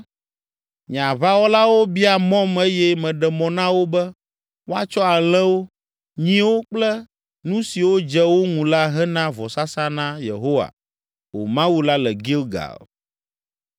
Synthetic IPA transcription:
ɲ˨ã˨βa˦wo˦la˦wo˦bi˦a˨mɔ̃˦me˦jɛ˦mɛ̃˨ɖɛ˨mɔ̃˨nã˦wo˦bɛ˦ | wo˦a˦t͡ʃɔ˦a˨l̃ɛ̃˦wo˦ | ɲĩ˦wo˦k͡plɛ˦ | nũ˦si˨wo˦d͡ʒɛ˦wo˦ŋũ˨la˦ɦɛ˦nã˦vɔ˨sa˦sa˦nã˦jḛ˨ɦo˦wa̰˨ | wo̰˨mã˦wu˦la˦lɛ˨ɡi˦lɡa̰˨l

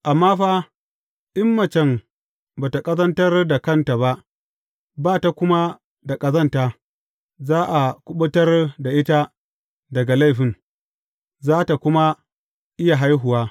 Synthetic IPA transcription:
ʔa˨mːaː˦ɸaː˦ | ʔɪ˦mːɐ˨t͡ʃɛ˨m | baː˨ta˨kʼɐ˦zɐ˦ntɐ˦rda˨kɐ˦nta˨ba˦ʔ | baː˦˨ta˨kʷʊ˦ma˦ | da˨kʼɐ˦zɐ˦ntaː˦ | zaː˦ʔa˨kʷʊ˦ɓʊ˦tɐ˦rda˨ʔɪ˦ta˦ | dɐ˨ɡa˨la˦˨jɸɪ˨n | zaː˦ta˨kʷʊ˦ma˦ | ʔɪ˦ja˨ɦa˦jɦʊ˨waː˦

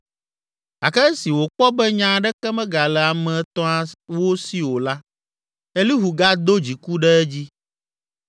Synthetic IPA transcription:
a˨kɛ˦si˨wo˨k͡pɔ˦bɛ˦ɲã˦ɖɛ˦kɛ˦mɛ̃˦ɡa˨lɛ˨a˨mɛ̃˨˦t̪ɔ̃˦a˦wo˦si˦wo˨la˦ | e˦li˦ɦu˨ɡa˦d̪o˦d͡ʑi˨ku˦ɖɛ˦ɛ˦d͡ʑi˦

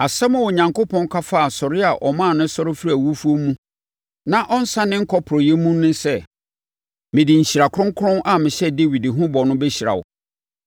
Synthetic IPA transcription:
a˨sɛ˦mʊ̃˨wɔ˨ɲã˨ŋko˦pʰɔ̃˦ŋ˦kʰa˦fa˦a˨sɔ˨ɾɪ˦a˨ʔɔ˨mãː˦˨nʊ̃˦sɔ˦ɾɪ˦fɾi˦æ˨wu˦fu˦o˦mũ˦ | nã˦ʔɔ˦n̩˦sã˦nɪ̃˦ŋ̩˦kʰɔ˦pʰʊ˨ɾɔ˨jɛ˦mũ˦nʊ̃˦sɛ˦ | mɪ̃˨dɪ˨ɲ̩˨ɕi˨ɾa˨kʰʊ˦ɾʊ̃˦ŋ˦kʰʊ˦ɾʊ̃˦na˨mɪ̃˨ɕɛ˦de˦wi˨dɦʊ̃˦bɔ˨nʊ̃˦bɛ˦ɕi˨ɾa̰˨wʊ̰˨

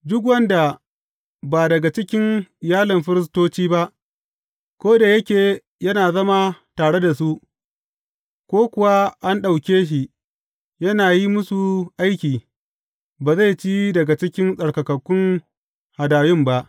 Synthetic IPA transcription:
dʊ˦k̬wɐ˦nda˨ | baː˨dɐ˨ɡa˨t͡ʃɪ˦kʲɪ˦nɪ˨jaː˦lɪ˨mɸɪ˦ɾɪ˦s̬toː˦t͡ʃiː˦ba˦ʔ | kʷoː˦da˨jɐ˦kʲeː˨ | jɐ˦naː˨zɐ˦ma˦taː˨ɽe˦da˨su˦ʔ | kʷoː˦kʷʊ˨wa˦ʔa˦nɗa˨wkʲeː˦ʃ̬i˨ʔ | jɐ˦naː˨ji˦mʊ˦su˨ʔa˦jkʲiː˨ | baː˨za˦˨jt͡ʃiː˦dɐ˨ɡa˨t͡ʃɪ˦kʲɪ˦nsʼɐ˨ɽkɐ˨kɐ˨kʷːʊ˦ŋ | ha˨daː˨jʊ˦mba˦ʔ

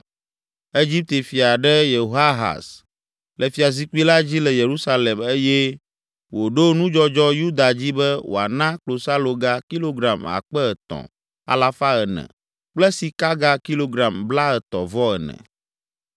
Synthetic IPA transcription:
e˦d͡ʑi˦p̚t̪e˨fi˨a˨ɖɛ˦je˨o˦a˦ɦa̰˨s | lɛ˨fi˨a˨zi˦ki˦la˦d͡ʑi˦lɛ˨je˨ɾu˦sa˦lɛ˨me˦jɛ˦ | wo˨ɖo˦nũ˦d͡ʒɔ˦d͡ʒɔ˦ju˦d̪a˨d͡ʑi˦bɛ˦wo̰˨a˨nã˦klo˨sa˦lo˨ɡa˦ki˦lo˦ɡɾa˨ma̰˨k͡pɛ˦ɛ˨t̪ɔ̰̃˨ | a̰˨la˦fa˦ɛ˨nɛ̰̃˨ | k͡plɛ˦si˨ka˦ɡa˦ki˦lo˦ɡɾa˨mbla˦ɛ˨t̪ɔ˨vɔ˦ɛ˨nɛ̰̃˨

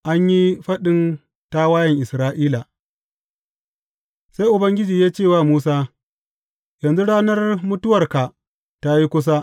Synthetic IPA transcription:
ʔa˦ɲji˦ɸɐ˦ɗɪ˦n | ta˦waː˦jɐ˨ŋʔɪ˨sɾaː˦ʔiː˦la˨ | sa˦jʔʊ˨bɐ˦ŋɡʲɪ˦d͡ʒiː˨jaː˦t͡ʃeː˦˨waː˦˨muː˦saː˦ | jɐ˨nzu˦ɽaː˦nɐ˦rmʊ˦tʊ˦wɐ˨rka˨ | ta˦ji˦kʷʊ˦s̬a˦

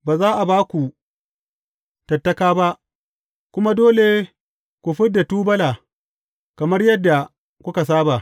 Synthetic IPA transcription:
baː˨zaː˦ʔa˨baː˦kʷu˨ | tɐ˨tːɐ˦kaː˦ba˦ʔ | kʷʊ˦ma˦doː˦le˨ | kʷu˨ɸɪ˦dːa˨tuː˦bɐ˦laː˨ | kɐ˨mɐ˦rjɐ˦dːa˨ | kʷʊ˦ka˨s̬aː˦ba˨

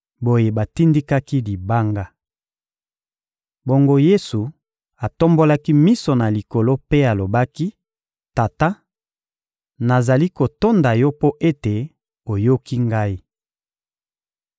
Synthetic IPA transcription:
bo˦je˨ba˨ti˦ndi˦ka˦ki˦li˨ba˦ŋɡa˦ | bo˦ŋɡo˦je˦su˨ | a˨to˦mbo˦la˦ki˦mi˦so˨na˨li˨ko˨lo˦pe˦a˨lo˨ba˦ki˦ | ta˨ta˦ | na˨za˨li˦ko˨to˦nda˨jɔ˦po˦ʔe˦te˨ | o˨jo˦ki˦ŋɡa˦i˦

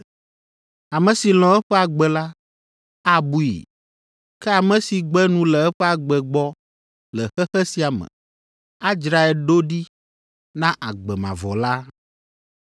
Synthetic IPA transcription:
a˨mɛ̃˨si˨l̃ɔ̃˨ɛ˦ɸɛ˦a˨ɡ͡bɛ˨la˦ | a˦bu˦ḭ˨ | kɛ˦a˨mɛ̃˨si˨ɡ͡bɛ˦nũ˨lɛ˨ɛ˦ɸɛ˦a˨ɡ͡bɛ˨ɡ͡bɔ˦ | lɛ˨xɛ˦xɛ˦si˦a˨mɛ̰̃˨ | a˦d͡ʒɾa˨ɛ˨lɖo˦ɖi˦ | nã˦ʔa˨ɡ͡bɛ˨mã̰˨vɔ̰˨la˦

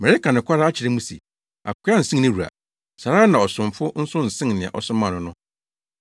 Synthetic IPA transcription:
mɛ˨ɾe˦ka˨nɪ̃˨kʷʰa˦ɾa˦a˦t͡ɕʰɪ˨ɾɪ˦mũ˦sḛ˨ | a̰˨kʰʷa˦n̩˨sĩ˦nɪ̃˦ɾu˨ɾa̰˨ | sa˨ɾaː˦nã˨ɔ˨sʊ̃˨mfʊ˦n̩˦sʊ̃˦n̩˨sɪ̃˦ŋnɪ̃˨a̰˨ʔɔ̰˨sʊ̃˦mã˨nʊ̃˦nʊ̃˦

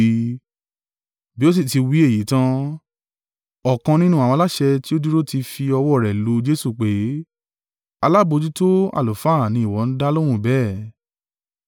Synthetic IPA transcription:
bi˦o˦s̬i˦˨ti˧wi˨˦e˦˨ji˨˦tã˦ | ɔ˨kã˧nĩ˦nũ˦a˨w̃ɔ̃˧la˦ʃɛ˧ti˦o˦di˦ɾo˦ti˧fi˧ɔ˧wɔ˦˨ɾɛ˨lo˨˦d͡ʒe˦su˦˨k͡pe˨˦ | a˧la˦bo˧d͡ʒu˦to˦a̰˨lo˨fa˦˨nĩ˧˦i˦˨wɔ˨˦n̩˦da˦lõ˦ũ˦˨bɛː˦˨

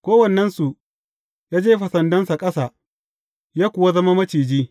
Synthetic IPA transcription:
kʷoː˦wɐ˨nːɛ˦nsu˨ | jaː˦d͡ʒeː˦ɸɐ˨sɐ˨ndɐ˦nsa˨kʼɐ˦sa˨ | jaː˦kʷʊ˨wa˦zɐ˦ma˦mɐ˦t͡ʃiː˨d͡ʒiː˦

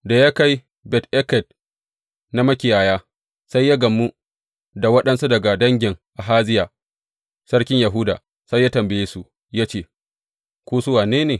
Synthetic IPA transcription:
da˨ja˦ka˦j | bɛ˨tʔɛ˦kɛ˨d̚ | na˦mɐ˦kʲɪ˨jaː˨jaː˦ | sa˦jːaː˦ɡɐ˨mːu˦ | da˨wɐ˦ɗɐ˦nsu˦dɐ˨ɡa˨dɐ˦ŋɡʲɪ˨ŋʔa˨ɦaː˦zɪ˦jaː˨ | sɐ˦ɽkʲɪ˦ɲja˨ɦu˦da̰ː˨ | sa˦jːaː˦tɐ˨mbɪ˨jeː˦su˦ | ja˦t͡ʃeː˦˨ | kʷoː˦sʊ˦waː˨neː˦neː˨

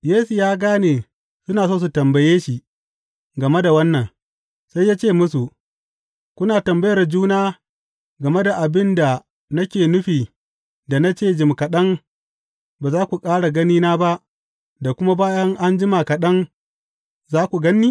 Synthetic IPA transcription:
jeː˦su˨jaː˦ɡaː˦neː˨ | sʊ˦naː˨soː˦˨s̬u˨tɐ˨mbɐ˨jeː˦ʃi˨ | ɡɐ˨me˦da˨wɐ˦nːɐ˨ŋ | sa˦jːaː˦t͡ʃeː˦˨mʊ˦su˨ | kʷʊ˦naː˨tɐ˨mbɐ˦jɐ˨rd͡ʒuː˦naː˦ | ɡɐ˨me˦da˨ʔa˨bɪ˦nda˨ | nɐ˦kʲeː˨nʊ˦ɸiː˨ | da˨na˦t͡ʃeː˦˨d͡ʒɪ˨mkɐ˨ɗɐ˦ŋ | baː˨zaː˦kʷu˨kʼaː˦ɽa˨ɡɐ˦niː˦naː˦ba˦ʔ | da˨kʷʊ˦ma˦baː˦jɐ˦ŋʔa˦nd͡ʒɪ˦ma˨kɐ˨ɗɐ˦ŋ | zaː˦kʷu˨ɡɐ˦nːiː˦

